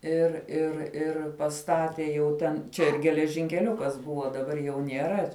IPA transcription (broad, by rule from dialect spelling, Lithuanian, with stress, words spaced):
ɪr ɪr ɪr pɐˈstɑːtʲeː jɛʊ ˈtʲɛn ˈt͡ʃʲɛ ɪr ɡʲɛlʲɛʒʲɪŋʲkʲɛˈlʲʊkɐs ˈbʊʋoː dɐˈbɐr jɛʊ nʲiɛˈrɐ